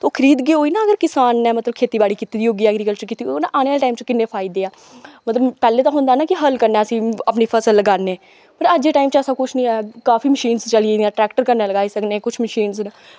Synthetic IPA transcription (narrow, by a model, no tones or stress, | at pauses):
t̪oːkʰəɾiːd̪ɡeːɦoːiːnãːəɡəɾkɪsaːnːɛːmət̪ləb̚kʰeːt̪iːbaːɽiːkit̪iːd̪iːoːɡiːɛːəɡɾiːkəlt͡ʃəɾkiːt̪iːnãːʔaːneaːlʈaːimt͡ʃkɪnːeːpʰaːɪd̪eːaː | mət̪ləbpɛːleːt̪ãːɦʊ̃nd̪aːnaːkɪɦəlkəɾneːəsĩːaːpniːpʰəsəlːəɡaːneː | pəɾəd͡ʒeːʈaːimt͡ʃəsaːkʊt͡ʃʰnĩːɛːkaːfiːməʃiːnzt͡ʃəlieɛ̃ːʈɾɛːkʈəɾkəɾneːləɡaːiːsəkneːkʊt͡ʃʰməʃiːnznə